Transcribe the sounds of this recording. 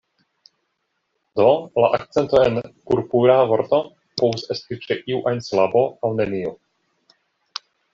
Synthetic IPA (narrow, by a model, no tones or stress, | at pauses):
d̪o̞la̰ʔakt͡sent̪o̞ḛnkuɾpuɾavo̞ɾt̪o̞ | povusest̪it͡ʃeʔiuʔajnslabo̞awneniu